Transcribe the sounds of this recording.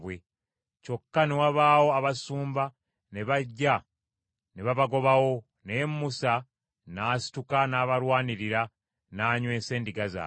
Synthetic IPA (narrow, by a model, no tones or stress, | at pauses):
we | co̞kːanewaβaːwo̞aβasuːmba | neβaɟːa | neβaβaɡo̞βawo̞ | nemːusa | nasi̥tukanaːβaɾwaːniɾiɾa | naːɲwe̞ːse̞ːndiɡaza̰